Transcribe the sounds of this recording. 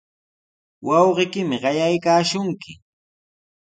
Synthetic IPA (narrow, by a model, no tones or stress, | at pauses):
wɑwɢɪkɪmɪɢɑjajkaːʃʊŋkɪ